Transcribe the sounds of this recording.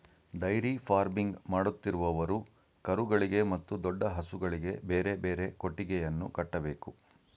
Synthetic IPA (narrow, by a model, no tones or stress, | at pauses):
ɖɐjɾifʰaːɾbiŋɡmaːɽut̪ːiɾuʋɐʋɐɾu | kɐɾuɡɐɭiɡe̞mɐt̪ːud̪ɔɖːɐɦɐsuɡɐɭiɡe̞beːɾe̞beːɾe̞ko̞ʈːiɡɛjɐnːṵkɐʈːɐbe̞ːku